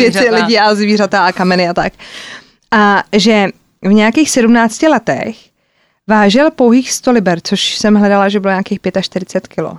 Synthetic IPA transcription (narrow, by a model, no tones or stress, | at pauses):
jɛɪlɪɟiʔazviːrat̪aakamɛnɪat̪ak | ʔaʒɛ | vɲɛjakiːxsɛdumnaːt͡scɪlɛt̪ɛ̰x | vaːʒɪlpowɦiːxst̪olɪbɛɾt͡soʃsɛmɦlɛdalaʒɛbɪloɲaːkiːxpjɛt̪aʃt̪ɪɾɪt͡sɛt̪kɪlo̰